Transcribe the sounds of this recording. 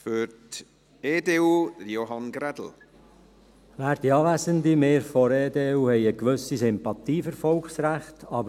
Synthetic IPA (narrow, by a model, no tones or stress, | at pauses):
føɾt | eːdeːudjoɦanɡɾɛdl̩ˠ | ʋæːɾd̥iɑːvæsənd̪imeːɾfɔɾeːd̪eːuhɛɪjəkʋɵsisɪmpɑt̪iːfəɾfɔlksɾæχtʰɑːb